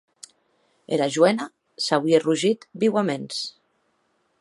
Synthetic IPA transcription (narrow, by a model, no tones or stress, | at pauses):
ḛlaʒwɛna | sawieruʒit̪biwamens